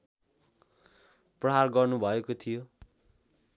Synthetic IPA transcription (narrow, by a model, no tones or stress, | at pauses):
prʌɦarɡʌrnubʱʌekot̪ʰijo